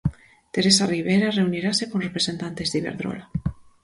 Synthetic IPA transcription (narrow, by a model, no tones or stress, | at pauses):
t̪eɾesariβ̞ejɾareuniɾasekonrepɾesent̪ant̪ezðiβḛɾðɾo̰la